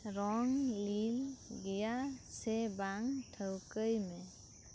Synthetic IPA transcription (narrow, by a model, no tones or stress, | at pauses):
ɾɔŋlilɡejasebaŋtʰəwkəjme